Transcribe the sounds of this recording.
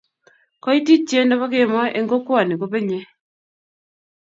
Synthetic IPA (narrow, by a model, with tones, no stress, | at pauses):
kɔ˦i˦ti˦t͡ʃe˦ndɔ˦pa˦kɪ˦˨mɔ˦ʔe˦ŋɡo˦kwa˨ni˨ko˦pe˦ɲe˦